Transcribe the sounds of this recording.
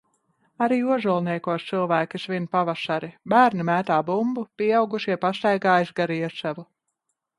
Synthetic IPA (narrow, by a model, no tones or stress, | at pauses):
aɾiːuɔʒulˠniɛkuɔst̪sɨlˠvæːkʲisvinpavaʃaɾibæːɾnimæːt̪aːbumbupiɛawɡuʃiɛpast̪ajɡaːjsɡaɾiɛsavu